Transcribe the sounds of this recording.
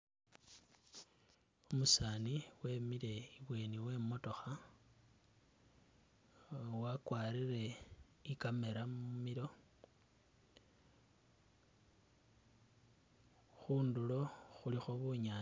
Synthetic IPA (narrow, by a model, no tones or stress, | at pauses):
umusaːniwe̞ːmiɾe̞iβwe̞ːniwe̞ːmo̞to̞xa | wakwaːɾire̞ | ikame̞ɾamumiɾo̞ | xuːndulo̞xulixo̞βuɲa